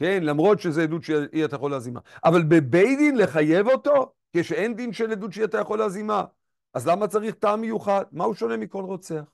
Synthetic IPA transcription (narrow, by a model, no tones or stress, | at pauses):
ke̞nlamʁo̞tʃezeed̪udʃiat̪ajaχo̞leazima̰ʔavalbe̞bejd̪inle̞χaje̞vo̞t̪o̞ | keʃee̞nd̪inʃeledudʃiatajaχo̞leazima | ʔazlamat͡saʁiχtaːmːejuχad̚mauʃo̞ne̞miko̞lʁo̞t͡se̞aχ